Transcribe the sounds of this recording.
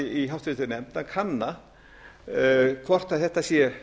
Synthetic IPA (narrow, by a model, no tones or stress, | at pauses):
iɦawht̪ɾɪt̪ɪnɛmpnakʰanːa | kʰvɔr̥t̪aðθɛht̪asjɛ